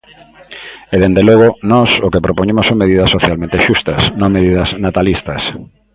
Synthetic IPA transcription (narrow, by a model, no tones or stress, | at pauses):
eðend̪elɔɣ̞onɔsokepɾopoɲemoʊsõŋmeðiðɐsːoθjalmẽnt̪eʃust̪ɐsnõŋmeðiðɐznat̪alist̪ɐs